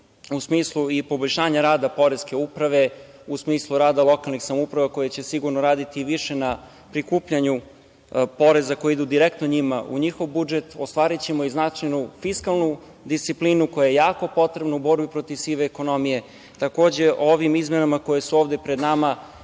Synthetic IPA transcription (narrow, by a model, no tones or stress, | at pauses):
usmiːslˠuipo̞boʎʲʃaːɲaɾaːd̪apo̞ɾe̞ske̞upɾaʋe̞ | usmiːslˠuɾaːd̪alˠo̞kalˠnixsamoupɾaʋako̞jet͡ɕe̞siɡuɾnoɾaːd̪it̪iʋiʃe̞na | pɾikuːpʎaɲu | po̞ɾe̞zako̞jeid̪ud̪iɾek̚t̪noɲimaṵɲixo̞ʋbud͡ʒe̞t̪o̞st̪ʋaːɾit͡ɕemoiznat͡ʃajnufiskalˠnu | d̪ist̪siplinuko̞jajejaːko̞po̞t̪ɾebnoubo̞ɾbipɾo̞t̪iʋsiːʋeːko̞no̞mije̞ | t̪ako̞ːd͡ʑe̞oʋimizmenamako̞jesuoːʋd̪e̞pɾe̞d̪nama